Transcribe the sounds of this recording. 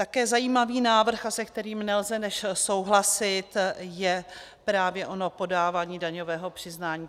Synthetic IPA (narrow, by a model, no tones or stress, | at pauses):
t̪akɛːzajiːmaviːnaːvr̩xasɛkt̪ɛɾiːmnɛlzɛnɛʃso̞wɦlasɪt̪jɛ | pɾaːvjɛʔo̞no̞po̞daːvaːɲiːdaɲo̞vɛːɦopr̥ɪznaːɲiː